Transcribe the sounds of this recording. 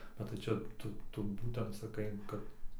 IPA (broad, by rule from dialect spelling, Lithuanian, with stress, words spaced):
bʲɛt tɐɪ ˈt͡ʃʲɛ ˈtʊ ˈtʊ ˈbuːtʲɛnt sɐˈkɐɪ ˈkɐt